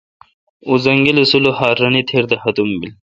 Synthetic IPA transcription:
uzɐŋɡilesulohaːɾɐnit̪ʰeɾd̪ɐhɐd̪umbil

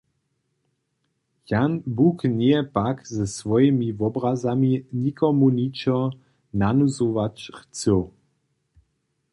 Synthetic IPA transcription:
janbuknɛjɛpakzɛsvɔjɛmivɔbrazaminikɔmunit͡ʃɔ | nanuzovat͡ʃχt͡səw

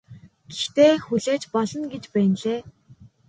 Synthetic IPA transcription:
ɡit͡ɕt̪eːxuɮeːt͡ɕpɔɮɞ̆nɡet͡ɕpæːnɮeː

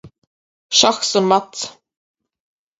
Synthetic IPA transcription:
ʃaxsɔnmat̪s

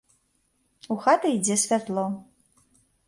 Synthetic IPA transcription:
uxat̪ɐid͡zʲesʲfʲart̪lˠɔ

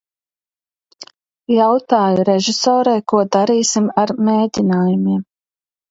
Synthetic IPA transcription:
jawt̪aːjuɾeʒisɔːɾɛjkuɔd̪aɾiːsimaɾmeːd̪ʲinaːjumiɛm

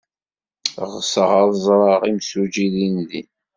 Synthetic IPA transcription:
ʁsəʁaðˤzˤɾˤɑʁimsud͡ʒiðinðin

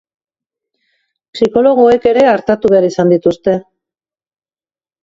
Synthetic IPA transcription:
siko̞lo̞ɣ̞o̞e̞ke̞ɾe̞aɾt̪at̪uβeaɾisand̪it̪ust̪e̞

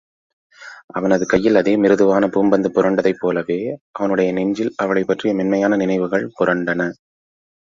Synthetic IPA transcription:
ʔɐʋɐnɐðɯkɐjːɪlɐðeːmɪɾɯðɯʋaːnɐpuːmbɐnd̪ɯpʊɾɐɳɖɐðɐɪpːoːlɐʋeːʔɐʋɐnɯɽɐjɐnɛɲd͡ʒɪlɐʋɐɭɐɪpːɐʈrɪjɐmɛnmɐjaːnɐnɪnɐɪʋɯɣɐɭpʊrɐɳɖɐnɐ

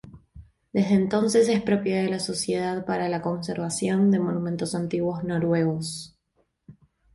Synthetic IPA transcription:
d̪ezðeːnt̪o̞nsese̞spɾo̞pjaðelaso̞sje̞ð̞aðpaɾalako̞ns̬eɾβasjo̞nd̪e̞mo̞numẽ̞nt̪o̞sant̪iɣwo̞zno̞ɾwe̞ɣo̞s

